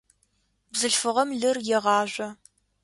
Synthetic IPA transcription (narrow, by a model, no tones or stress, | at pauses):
bzɨɬfɨʁɐmɮɨrjɛʁɑːʒʷɔ